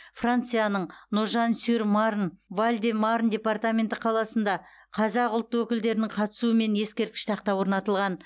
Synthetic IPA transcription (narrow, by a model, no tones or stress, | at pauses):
frant̪sɨjanəɴnʊʒɑnsyɾmaɾnvalʲd̪ʲemaɾnd̪ʲe̞part̪amʲe̞nt̪ɪqʰɑlˠɑsənd̪ɑ | qʰɑzɑqʊlˠt̪ːəwɵkʲɪld̪e̞ɾɪnɪɴqʰɑt̪ə̥suəme̞nje̞skʲe̞ɾt̪kʲɪʃt̪ɑq̚t̪ɑwoɾnɑt̪əlˠʁɑn